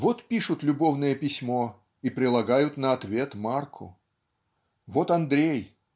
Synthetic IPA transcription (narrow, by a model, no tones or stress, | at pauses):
vot̪pʲiʂʊt̪lʲʊbo̞vnɨjəpʲɪsʲmo̞ | ipɾʲɪlˠɐɡajʊt̪nəɐt̪vʲe̞t̪markʰʊ̰ | vot̪ɐnd̪ɾʲej